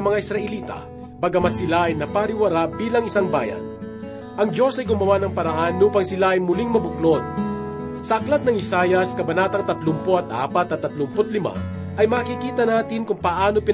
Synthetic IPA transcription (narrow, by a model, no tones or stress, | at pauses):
mɐŋaɪsɾɐʔɛliːt̪ɐ̰ | bɐɡɐmat̪̚sɪlaɐjnɐpaɾɪwɐɾabiːlɐŋɪsaŋba̰ːjɐ̰n | ʔɐŋd͡ʒo̞sɐjɡʊmɐwanɐŋpɐɾɐʔanːuːpɐŋsɪlaɐjmʊliŋmɐbʊklon | sɐʔɐklat̪̚nɐŋɪsaːjɐskɐbɐnaːt̪ɐŋt̪ɐt̪lʊmpoɐt̪ʔa̰ːpɐt̪ːɐt̪ːɐt̪lʊmpot̪̚lɪma̰ | ʔɐjmaːkikiːt̪ɐnaːt̪ɪnkʊŋpɐʔaːnopɪn